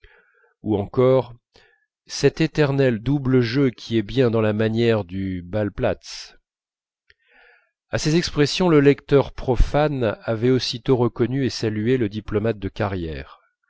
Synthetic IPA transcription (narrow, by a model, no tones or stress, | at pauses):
uɑ̃kɔʁ | sɛt̪et̪ɛʁnɛld̪ubləʒøkʲʰiɛbjɛ̃d̪ɑ̃lamanjɛʁd̪ybalplat̪s | asezɛkspχɛsjɔ̃ləlɛkt̪œʁpχɔfanavɛosit̪oʁəkɔnyesalyeləd̪iplɔmat̪̚d̪əkaʁjɛ̰ːʁ